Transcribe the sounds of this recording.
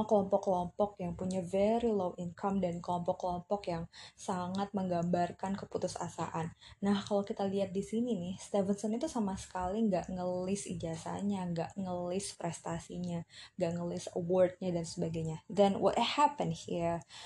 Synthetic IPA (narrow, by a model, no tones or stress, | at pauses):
kəlɔmpɔkːəlɔmpɔkjaŋpuɲavɛɾilowʔinkʰamdankəlɔmpɔkːəlɔmpɔkjaŋsaŋat̪̚məŋɡambarkankəput̪ʊsa̰sa̰ʔanːahkalawkit̪aliat̪̚disininɪhst̪ɛvənsɔnit̪usamasə̥kaliŋɡaʔŋəlɪsḭd͡ʒasa̰ɲaŋɡaʔŋəlɪspɾɛst̪asiɲaŋɡaʔŋəlɪsəwɔrd̪̚ɲadansəbaɡajɲad̪ɛnwʔɔ̰thapənhi